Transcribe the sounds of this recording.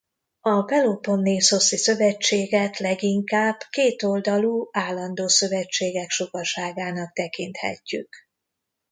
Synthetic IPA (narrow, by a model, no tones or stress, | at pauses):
ɒpɛlopo̞nːeːso̞sisø̞vɛt͡ʃːeːɡɛt̪lɛɡiŋkaːb̥keːt̪o̞ld̪ɒluːaːlːɒnd̪oːsø̞vɛt͡ʃːeːɡɛkʃo̞kɒʃaːɡaːnɒk̚t̪ɛkint̪hɛ̰cːy̰k